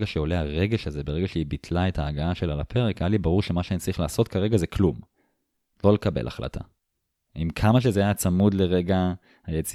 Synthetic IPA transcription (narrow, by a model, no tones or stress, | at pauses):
ɡaʃeo̞leaʁe̞ɡe̞ʃaze̞be̞ʁeɡaʃeibitʰlae̞tʰaːɡaaʃelalapʰe̞ʁekajalibaʁuʁʃemaʃeant͡saʁiχlaːso̞tkʰaʁe̞ɡazekʰlum | lo̞le̞kabḛlʔa̰χla̰tʰa̰ | imkʰamaʃ̬ezeajat͡samudle̞ʁe̞ɡa | hajet͡si